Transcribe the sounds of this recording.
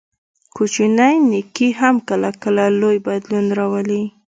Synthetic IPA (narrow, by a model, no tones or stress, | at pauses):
kut͡ʃinajnikiɦamkəlakəlalojbad̪lunɾawəli